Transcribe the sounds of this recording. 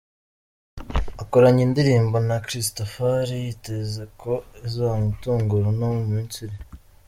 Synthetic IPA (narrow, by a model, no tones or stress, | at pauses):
akoɾaɲindiɾiːmbo̞nakɾistofaɾijite̞ze̞ko̞ezoamutuːŋɡuɾonomumiːnt͡suɾi